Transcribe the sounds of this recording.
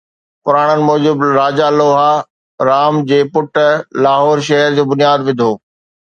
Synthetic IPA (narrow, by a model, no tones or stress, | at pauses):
pʊɾaːɽ̃ənɪ̆mɔːd͡ʑʊbɾaːd͡ʑaloːɦa | ɾaːmd͡ʑeːpʊʈlaːɦɔːɾʃ̬ɐɦəɾd͡ʑoːbʊnijaːd̪ʋɪ̃d̪ʱoː